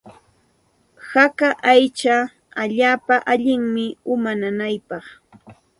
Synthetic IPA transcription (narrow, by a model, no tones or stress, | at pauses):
hakaʔajt͡ʃa | aʎaːpaʔaʎɪŋmɪʊmananajpɑχ